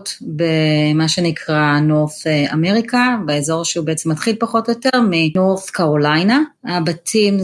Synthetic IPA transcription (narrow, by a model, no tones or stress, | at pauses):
tbemaʃenikʰʁanoʁfeame̞ʁikabeezo̞ʁʃeubeet͡semːatχilpaχo̞tjo̞teʁminoʁθkaʁolajnaabatʰim